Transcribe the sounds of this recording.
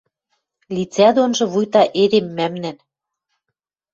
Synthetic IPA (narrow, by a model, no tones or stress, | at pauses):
lʲit͡sæd̪onʒɤ̆βujt̪ɑʔed̪emːæmnæn